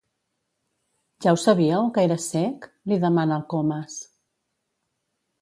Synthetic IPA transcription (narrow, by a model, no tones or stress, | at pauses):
ʒawsəβiəwkəeɾəsɛk | liðəmanəːlˠkoməs